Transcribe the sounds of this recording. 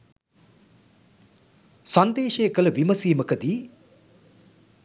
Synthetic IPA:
sand̪eːʃejəkələʋiməsiːməkəd̪iː

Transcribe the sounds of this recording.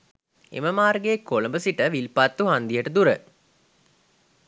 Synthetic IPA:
ḛməmaːrɡeːkːoləmbəsiʈəʋilpat̪ːuɦand̪ijəʈəd̪uɾə

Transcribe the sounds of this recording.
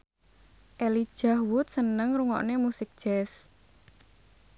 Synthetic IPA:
ʔelid̥ʒ̥ahwʊt̪̚sənəŋɾuŋɔ̰ʔnemusɪk̚d̥ʒ̥ɛs

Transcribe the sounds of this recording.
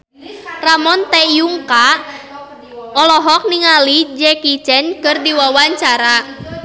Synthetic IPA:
ramɔnt̪ɛjuŋka | ɔlɔɦɔk̚niŋalid͡ʒɛkit͡ʃɛnkɨrdiwawaɲt͡ʃaɾa

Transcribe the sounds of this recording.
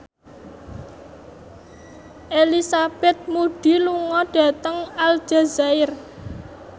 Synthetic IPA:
ʔelisab̥ɛt̪̚muɖ̥i̤luŋɔɖ̥a̤t̪əŋald͡ʒ̥a̤zaɪr

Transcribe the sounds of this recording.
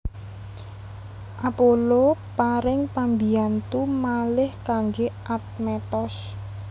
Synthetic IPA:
ʔapolopaɾɪŋpambiant̪umalɪhkaŋɡeʔat̪̚mɛt̪ɔs

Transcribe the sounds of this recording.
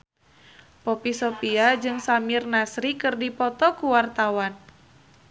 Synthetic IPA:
pɔpisɔpiad͡ʒɨŋsamirnasɾikɨrdipɔt̪ɔkuwart̪awan

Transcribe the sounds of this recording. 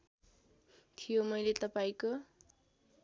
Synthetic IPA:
t̪ʰijomʌjlet̪ʌpaĩko

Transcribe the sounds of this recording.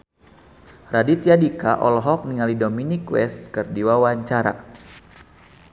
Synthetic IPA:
radit̪jadikaʔɔ̰lɦɔk̚niŋalidominikwɛskərdiwawaɲt͡ʃaɾa̰

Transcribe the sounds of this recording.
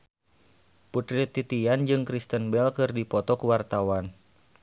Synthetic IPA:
put̪ɾit̪ːit̪iand͡ʒɨŋkɾist̪ənbɛlkɨrdipɔt̪ɔkuwart̪awan

